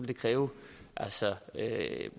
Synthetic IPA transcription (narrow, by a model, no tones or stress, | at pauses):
eld̥e̝kʰʁɛːʊʔælsɒø